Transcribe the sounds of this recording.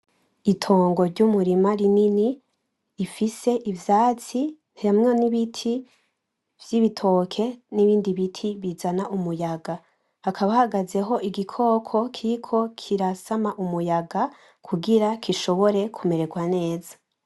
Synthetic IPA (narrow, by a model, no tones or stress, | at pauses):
itʰo̞ːŋɡo̞ɾɟumuɾimaɾininiː | fise̞ʔivjaːt͡sinhamŋeniβitʰi | v̥jiβitʰo̞kʰe̞niβiːndiβitʰiβizanaʔumujaɡa | hakʰaβahaɡaze̞ɦo̞ʔiɡikʰo̞ːkʰo̞kʰikʰo̞kʰiɾasamaʔumujaɡa | kʰuɡiɾakʰiʃo̞βo̞ɾe̞kʰume̞ɾe̞ɡwane̞ːza